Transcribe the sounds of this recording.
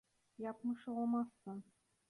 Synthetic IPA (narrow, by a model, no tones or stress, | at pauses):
jɑpmɤʃɤ̆ɑlˠmɑsːɤn